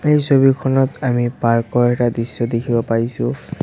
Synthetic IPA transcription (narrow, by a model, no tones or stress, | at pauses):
ejsobikʰɔnɔtamipaɹkɔɹɛtadisːɔdekʰibɔpaɹisʊ̃